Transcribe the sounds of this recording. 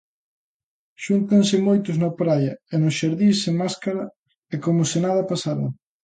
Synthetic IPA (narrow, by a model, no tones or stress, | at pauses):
ʃunt̪ansɪmojt̪ʊznopɾajɐɛnʊsʃaɾðiseŋmaskaɾɐ | ɛkomʊsɪnaðɐpasaɾɐ̰